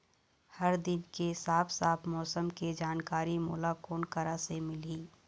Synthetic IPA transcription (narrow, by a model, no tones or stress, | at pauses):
hɐɾd̪ɪnkesaːpʰsaːpʰmɔːsəmked͡ʒaːnkaːɾimuːlakoːnkəɾasemɪliː